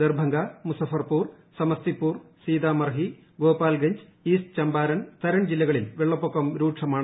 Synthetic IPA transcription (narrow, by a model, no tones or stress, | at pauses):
d̪erbʱɐŋɡaːmusɐfɐrpuːr | sɐmɐst̪ipːuːrsiːd̪aːmɐrɦi | ɡo̞ːpaːlɡɐɲd͡ʑ | iːst͡ɕɐmbaːɾɐnt̪ɐɾɐɳd͡ʑilːɐɣɐɭilʋeɭːɐpːokːɐmɾuːʈʂɐmaːɳ